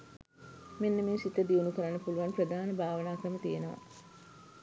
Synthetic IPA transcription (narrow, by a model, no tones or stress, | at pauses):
menːəmeːsit̪əd̪iunukəɾanːəpuluʋanprəd̪ʱaːnəbʱaːʋənaːkɾəmət̪ijenəʋa̰